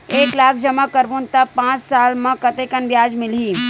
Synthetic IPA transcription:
eːklaːk̚ʰd͡ʒɐmakəɾʋunt̪əpãːt͡ʃsaːlmãkɐt̪eːkənʋjaːd͡ʒmɪlɦiː

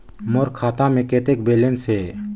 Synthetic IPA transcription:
mɔɾkʰat̪amɛkɛt̪ɛk̚bɛlɛnsɛ

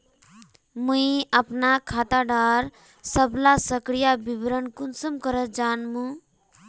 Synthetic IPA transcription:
muiəpnakʰat̪aɖaɾ | səblasəkɾijabibɾənkunsəmkəɾəd͡ʒanmũ

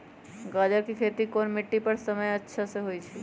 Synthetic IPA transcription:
ɡad͡ʒəɾkikʰeːt̪ikonmɪʈːipəɾsəməjətːʃʰaseɦoit͡ʃʰɛ

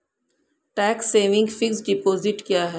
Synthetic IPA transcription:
ʈɛːksːeːʋɪ̃ŋɡfɪksɖɪpoːzɪʈkjaːɦɛː

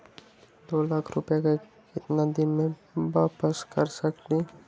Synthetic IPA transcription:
d̪oːlaːkʰɾʊpjake | kɪt̪nad̪ɪnmẽʋaːpəskəɾsəkliː

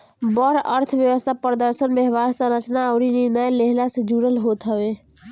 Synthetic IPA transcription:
bəɾəɾt̪ʰbjəʋəst̪ʰapɾd̪əɾsənbjəɦbaɾsə̃ɾət͡ʃnaəʊɾiniɾnəjleɦlasə̃d͡ʒuɾəlɦot̪ɦəbe

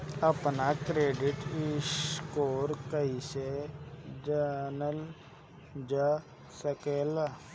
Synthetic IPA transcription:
əpnakɾeːɖɪʈɪskoːɾkəɦise | d͡ʒənəl | d͡ʒa | səkeːla

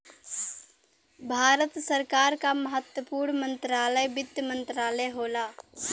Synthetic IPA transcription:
bʱaːɾət̪səɾkaːɾkaməɦət̪wəpuːɾɳmə̃nt̪ɾaːləjbɪd̪jəmənt̪ɾaːləjɦoːlaː

